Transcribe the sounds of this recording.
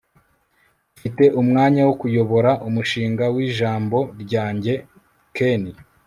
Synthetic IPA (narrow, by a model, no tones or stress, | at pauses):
fite̞ʔumŋaːɲawokujo̞βo̞ɾaʔumuʃiːŋɡawiːʒaːmbo̞ɾɟaːɲɟe̞ | keni